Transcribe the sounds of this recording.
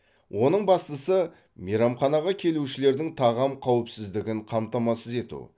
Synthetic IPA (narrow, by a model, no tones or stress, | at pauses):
wʔo̞nəɴbɑst̪əsə | meɾɑmχɑnɑʁɑkʲʰe̞luʃɪle̞ɾd̪ɪŋt̪ʰɑʁɑmqʰɑwɪpsɪzd̪ɪɡʲɪɴqʰɑmt̪ɑmɑsəze̞t̪ṵ